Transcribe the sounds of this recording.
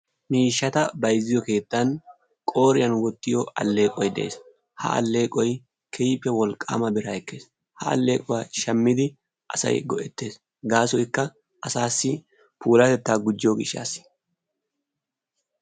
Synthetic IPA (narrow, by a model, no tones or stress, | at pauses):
miːʃːɐt̪ɐbɐjzːɪjɔke̞ːt̪ːɐn | kʼo̞ːɾɪjɐnwɔt̪ːɪjɔɐ̰lːe̞ːkʼɔjd̪ɛ̰ʔḛːs | hɐ̰ɐ̰lːe̞ːkʼɔj | kʰɛjpːɛwɔlkʼːa̰ːmɐbɪɾaɛkːe̞ːs | hɐ̰ɐ̰lːe̞ːkʼɔwaːʃɐmːɪd̪ɪ | ʔɐsɐ̰jɡɔʔɛt̪ːe̞ːs | ɡaːsɔjɪkːɐ | ʔɐsaːsːɪ | pʰuːlɐt̪ɛt̪ːaːɡʊd͡ʒːɪoːɡɪʃːa̰ːsɪ̥